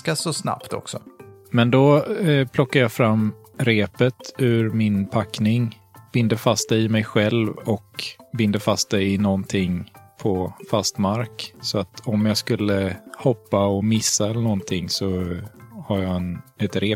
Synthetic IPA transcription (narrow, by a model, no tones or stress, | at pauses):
kasɔsna̰pt̪ʰɔ̰ksɔ̰mɛnd̪ɔpʰlɔkːajɑfɾamː | ɾeːpət̪ʉ̟ɾmɪnpʰakːnɪŋ | b̥ɪnd̪əfast̪̚d̪ɛjɪmɛjɧɛlvɔkbɪnd̪əfast̪̚d̪ɛjɪnɔnt̪ʰɪŋːpʰɔfast̪maɾksɔat̪ʰɔmjɑːskɵlːəhɔpːaɔmɪsːaɛlənɔnt̪ʰɪŋːsɔ | haɾjɑɛnɛt̪ɾeː